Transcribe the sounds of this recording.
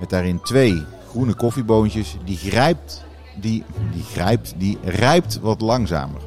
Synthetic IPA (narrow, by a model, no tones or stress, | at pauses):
mɛt̚daːrɪntʋej | χrunəkɔfibowntjəsdiɛp̚t | didiχrɛjp̚tdirɛjp̚tʋɑtlɑŋza̰ːmə̰r